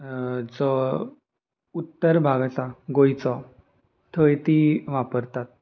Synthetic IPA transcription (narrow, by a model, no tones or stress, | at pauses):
d͡zɔ | ut̪ːəɾbʱaɡsaɡojt͡sɔ | t̪ʰəjt̪iʋapəɾt̪at̪̚